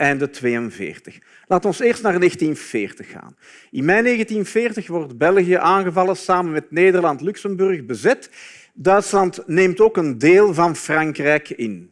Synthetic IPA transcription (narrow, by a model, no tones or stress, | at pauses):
ʔɛjndətʋeːənvɪ̰ːrtəx | laːtɔnseːrstnaːrneːxtinvɪːrtəxːa̰ːn | ɪnmɛjneːɣəntinfɪːrtəxʋɔrtbɛlˠɣijəʔaːnɣəvɑlˠəsaːmənmɛtneːdərlɑntlʉksəmbɵrxbəzɛt | dœɥtslɑntneːmtoːkəndeːlˠvɑnfrɑŋkrɛjkɪn